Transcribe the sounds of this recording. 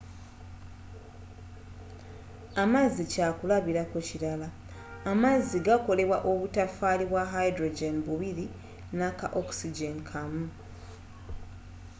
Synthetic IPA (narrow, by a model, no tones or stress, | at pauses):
amazːicaːkulaβiɾakociɾalaː | mazːiɡako̞le̞βwaʔo̞βutafaːliβwaɦajdɾoɟenbuβiɾi | naka̰ʔoksiɟenkʰamu